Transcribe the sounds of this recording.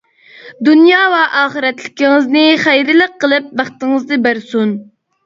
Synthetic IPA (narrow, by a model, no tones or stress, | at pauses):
d̪unjɑːwɛʔɑːχəɾɛt̪lɪkʲiŋɪznɪχæjɾɪləqʰːəlˠɪp̚bæχt̪ɨŋɨzd̪ɨbæɾsun